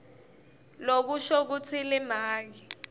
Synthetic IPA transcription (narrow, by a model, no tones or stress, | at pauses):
lok̬uʃɔk̬ut͡sʰilɛmaːŋi